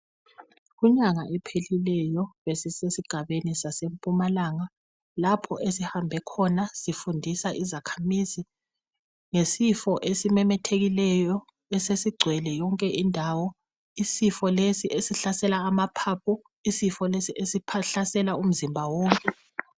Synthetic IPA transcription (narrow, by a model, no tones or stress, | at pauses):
ɣuɲaŋaʔɛpʰelilɛjɔβesisesiɡ̥ʱaβenisasempʼumalaŋa | lapʰɔʔesihambʱɛkʰɔnasifundʱisaʔizakʰamizi | ŋesifɔʔesimɛmɛtʰeɣilɛjɔ | ɛsesiɡ͡ǀʱwɛlɛjɔŋkʼɛʔindʱawɔ | isifɔlesiʔesiɬasɛlaːmapʰap̚ʰu | isifɔlesiʔesipʰaɬasɛlaum̩zimbʱawoːŋkʼɛ